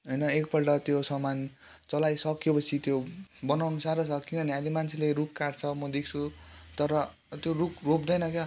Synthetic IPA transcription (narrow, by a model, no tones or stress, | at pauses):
ɦʌjnʌek̚pʌlʈʌt̪josʌman | t͡sʌlajsʌkjopʌsʰit̪jobʌnawnʌsaɾot͡sʰʌkinʌnialimant͡sʰeleɾukːart͡sʰʌmʌd̪ekʰt͡sʰut̪ʌɾʌ | t̪joɾukrop̚d̪ʌjnʌkja